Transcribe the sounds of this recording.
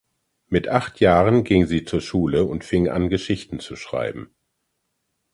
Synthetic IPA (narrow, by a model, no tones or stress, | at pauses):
mɪtʔaχtʰjaːʁənɡɪŋziːt͡suːɐʃuːləʊntfɪŋʔa̰nɡəʃɪçtn̩t͡suʃʁ̥a̰ɪbm̩